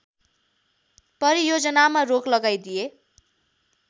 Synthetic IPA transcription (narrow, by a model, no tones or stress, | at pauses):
pʌɾijod͡zʌnamaroklʌɡajd̪ije